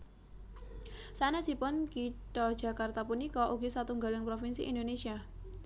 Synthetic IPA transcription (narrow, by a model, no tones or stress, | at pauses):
sanasipʊnkiʈɔd̥ʒ̥a̤kart̪apunikɔʔuɡisat̪uŋɡalɪŋpɾofinsḭʔḭndonesia